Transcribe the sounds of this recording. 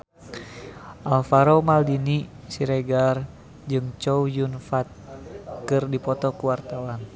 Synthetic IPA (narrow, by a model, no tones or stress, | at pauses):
ʔalfaɾomaldini | siɾɛɡar | d͡ʒɨŋt͡ʃɔujunfat̪̚kɨrdipɔt̪ɔkuwart̪awan